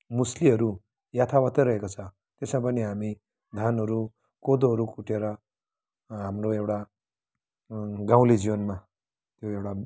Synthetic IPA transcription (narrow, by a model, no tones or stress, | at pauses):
musliɦʌɾu | jat̪ʰawʌt̪ːʌɾʌɦekot͡sʰʌ̃ | t̪esmapʌniɦami | d̪ʱjanɦʌɾu | kod̪oɦʌɾukuʈʰeɾʌ | ɦamroewʈa | ɡãw̃led͡ziwʌnma | t̪joewʈa